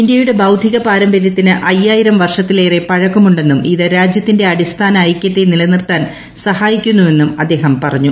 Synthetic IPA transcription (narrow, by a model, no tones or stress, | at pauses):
ind̪jɐjuɽe̞bɐwd̪ʱiɣɐpaːɾɐmbɐɾjɐt̪ːinɨʔɐjːaːjiɾɐmʋɐrʂɐt̪ːilejre̞pɐɻɐkːumuɳɖe̞nːumiðɨɾaːd͡ʑjɐt̪ːinde̞ɐɽist̪ʰaːnɐːjkʲjɐt̪ːenilɐnirt̪aːn | sɐhaːjikʲːunːue̞nːumɐd̪ːe̞ːɦɐmpɐrɐɲːu